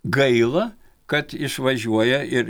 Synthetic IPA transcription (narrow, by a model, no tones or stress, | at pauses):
ɡɐɪlˠɐ | kɐt̪ɪʃʋɐʒʲuɔjɛɪɾ